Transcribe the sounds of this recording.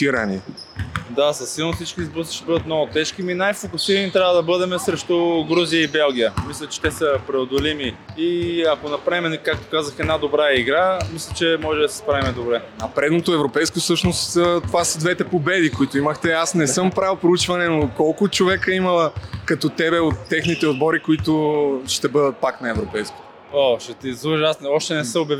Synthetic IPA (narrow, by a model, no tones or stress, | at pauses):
t̪iɾɐnḭ | d̪asɐsːilˠnofsit͡ʃkizbɾusi̥ʃt̪ɛbəd̪ət̪mnɔɡʊt̪ɛʃkiminajfokʊsiɾənit̪ɾʲavəd̪ɐbɤd̪ɛmɛsɾɛʃt̪oɡɾuzijəibɛlˠɡ̟ijəmislʲɐt͡ʃɛ̥t̪ɛsəpɾɛod̪olimiiɐkonɐpɾaimɛnɛkak̚t̪o̥kazəxɛd̪nad̪obɾaiɡɾamislʲɛt͡ʃɛmɔʒɛd̪ɐsɛ̥spɾavimɛd̪obɾɛ | ɐpɾɛd̪not̪oɛvɾopɛjskofsɤʃnost̪t̪ovasəd̪vɛt̪ɛpobɛd̪ikoit̪ʊiməxt̪ɛasnɛsɤmpɾavpɾout͡ʃvɐnɛnokɔlˠkʊt͡ʃovɛkəimɐlˠəkɐt̪ɔt̪ɛbɛot̪ːɛxnit̪ɛod̪bɔɾikoit̪ʊʃt̪ɛbɤd̪ət̪̚paknɐɛvɾopɛjsko̥t̪o | oʃɛt̪izuasɔʃt̪ɛnɛsəobjɐv